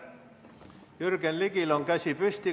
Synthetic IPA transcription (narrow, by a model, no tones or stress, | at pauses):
jyrkenlikiloŋkæsʲipysʲt̪i